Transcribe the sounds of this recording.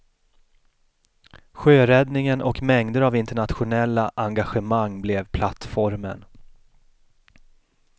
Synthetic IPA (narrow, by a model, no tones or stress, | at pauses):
ɧøːɾɛd̪nɪŋənʔɔkmɛŋd̪əɾavɪnt̪əɳat̪ɧʊnɛlːaʔaŋɡaɧəmaŋːblɛvpʰlat̪fɔɾmə̰n